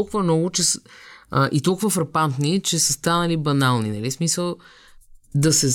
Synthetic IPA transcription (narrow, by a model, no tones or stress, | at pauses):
lˠkʊvɐmnɔɡʊt͡ʃɛs | ʔit̪ɔlˠkʊvɐfɾɐpant̪nit͡ʃɛsəst̪anɐlibɐnalˠninɐlismisəlˠ | d̪ɐsɛz